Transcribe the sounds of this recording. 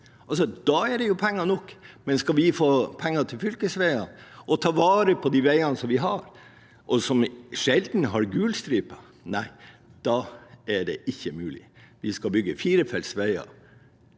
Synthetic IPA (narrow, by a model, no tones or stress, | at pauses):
ʔɑlsɔd̪̥ɑæɖɛjʊpʰɛŋːɑnɔkːmɛnskɑʋɪfoːpʰɛŋːɑt̪ʰɪlfʏlkəsʋæɪɑnʔɔt̪ʰɑːʋɑːɾəpʰɔd̪iʋæɪɑnsɔmʋɪɦɑɾ | ʔɔsɔmʂɛld̪n̩ɦɑɾɡʉːlst̪ɾyːpɑ | næɪd̪̥ɑɛɖɛʔɪçːəmʉːlɪ̰ʋɪskɑbʏɡːəfiːɾəfɛlsʋæɪɑ̰